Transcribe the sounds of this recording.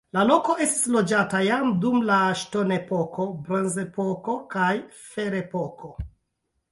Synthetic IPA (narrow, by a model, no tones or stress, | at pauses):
lalo̞ko̞e̞sti̥slo̞d͡ʒatajamdumlaʃto̞ne̞po̞ko̞bɾonzepo̞ko̞kaj | fe̞ɾepo̞kʰo̞